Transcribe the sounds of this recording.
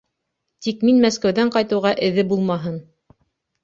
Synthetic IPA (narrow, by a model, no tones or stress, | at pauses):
t̪ikminmæskæwðæɴqɑjt̪ɤ̆wʁɑʔɘ̆ðɘbulˠmɑɦɤn